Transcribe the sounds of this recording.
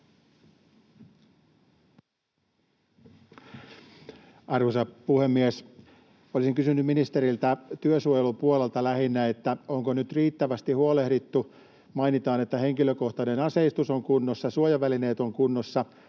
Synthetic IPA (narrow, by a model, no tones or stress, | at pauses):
ɑrʋusɑpuhemːies | olisiŋkysynːymminist̪eɾilt̪æt̪yøsuojelupuolelt̪ɑlæhinːæet̪ːæoŋkonyt̪riːt̪ːæʋæst̪ihuolehdit̪ːu | mɑinit̪ɑːnet̪ːæhe̞ŋkiløko̞ht̪ɑnenɑse̞ist̪usoŋkunːosːɑsuojɑʋæline̞ːt̪o̞ŋkunːosːɑ